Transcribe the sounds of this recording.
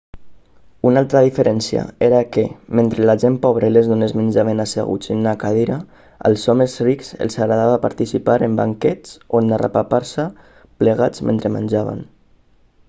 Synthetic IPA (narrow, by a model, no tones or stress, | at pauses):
unalˠt̪ɾaðifeɾɛnsia̰eɾakemẽnt̪ɾelaʒempɔβ̞ɾelezðunezmend͡ʒaβenasḛɣṵt͡sinnakaðeɾa | ə̰lˠsɔmezriksḛlˠsaɣɾaðaβapa̰ɾt̪isipaɾemba̰ŋkɛt͡sonːara̰papaɾsa | pleɣad͡zmḛnt̪ɾemə̰nʲd͡ʒaβa̰n